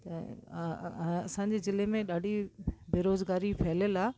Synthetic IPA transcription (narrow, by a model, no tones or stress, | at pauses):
t̪ɐ̰ | ɐsãɲd͡ʑeːzɪlemẽɗaːɖʱibʱeːɾoːzɡaːɾifʰɐɦɪləlaː